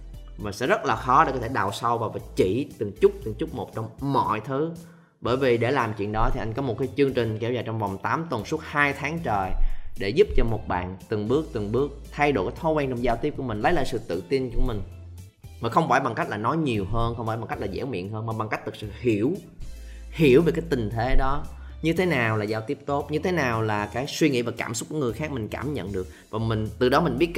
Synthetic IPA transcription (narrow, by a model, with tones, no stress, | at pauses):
vaː˨˩sɛ̰˧˥zə˦˥t̚laː˨˩xɔ˨˦ɗe˧˩kɔ˨˦t̪ʰe˧˩ɗa̰ː˨wsa˧wvaː˨˩wvaː˨˩t͡ɕi˧˩t̪ɨ˨˩ŋt͡ɕʊ˦˥k͡p̚t̪ɨ˨˩ŋt͡ɕʊ˦˥k͡p̚mo˨˩t̚t͡ɕɔ˧wŋ͡mmɔ̰˧˨jt̪ʰɨ˨˦ | ɓəː˧˩jvi˨˩ɗe˧˩laː˨˩mt͡ɕwḭ˧˨ənɗɔ˨˦t̪ʰi˨ʔa˧jŋ̟kɔ˨˦mo˨˩t̚kaː˨˦jt͡ɕɨ˧əŋt͡ɕï˨˩ŋ̟kɛ˧˩wzaː˨˩t͡ɕɔ˧wŋ͡mvɔ˨˩wŋ͡mt̪aː˨˦mt̪wə˨˩nsu˦˥ət̚haː˧jt̪ʰaː˨˦ŋt͡ɕəː˨˩jɗe˧˩zu˦˥p̚t͡ɕɔ˧mo˨˩t̚ɓa̰ː˧˨nt̪ɨ˨˩ŋɓɨ˦˥ək̚t̪ɨ˨˩ŋɓɨ˦˥ək̚t̪ʰa˧jɗo̰˧˩ka˨˦t̪ʰɔ˨˦kwɛ˧nt͡ɕɔ˧ŋ͡mzaː˧wt̪i˦˥əp̚ku˧˩əmï˨˩ŋ̟lə˨˦jla̰ː˧˨sɨ̰˧˨t̪ɨ̰˧˨t̪i˧nku˧˩əmï˨˩ŋ̟ | maː˨˩xə˧wŋ͡mfaː˧˩jɓa˨˩ŋka˦˥jk̚laː˨˩nɔ˨˦jɲi˨˩əwɦəː˧nxə˧wŋ͡mfaː˧˩ɓa˨˩kk̚laː˨˩zɛ̰˧˥wmḭ˧˨ənɦəː˧nmaː˨˩ɓa˨˩ŋkk̚t̪ʰɨ˨˩k̚sɨ̰˧˨hi˧˩əw | hi˧˩əwve˨˩kaː˨˦jt̪ï˨˩ŋ̟t̪ʰe˨˦ɗɔ˨˦ | ɲɨ˧t̪ʰe˨˦naː˨˩wlaː˨˩zaː˧wt̪i˦˥əp̚t̪o˦˥t̚ɲɨ˧t̪ʰe˨˦naː˨˩wlaː˨˩kaː˨˦jswi˧ŋḭ˧˥vaː˨˩ka̰ː˧˩msʊ˦˥k͡p̚ku˧˩əŋɨ˨˩jxaː˦˥k̚mï˨˩ŋ̟ka̰ː˧˩mɲə̰˧˨nɗɨ˨˩ək̚vaː˨˩mï˨˩ŋ̟t̪ɨ˨˩ɗɔ˨˦mï˨˩ŋ̟ɓi˦˥ət̚